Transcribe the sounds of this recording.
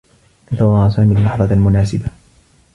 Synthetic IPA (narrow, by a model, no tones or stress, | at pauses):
ʔɪt̪awlˤːɑːsaːmilːɑħðˤɑmʊnaːsɪba